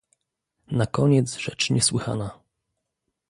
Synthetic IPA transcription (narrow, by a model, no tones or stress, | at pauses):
nakɔɲɛd̪zʐɛt͡ʂɲɛswɘxa̰na